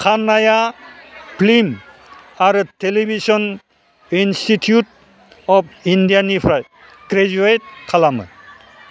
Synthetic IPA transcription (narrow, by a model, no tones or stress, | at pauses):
kʰanːaja | plim | aɾutelibʱisɔn | institʰjut̚ | ɔp̚indijanipʰɾaj | ɡɾed͡ʒuet̚kʰalamɯ̰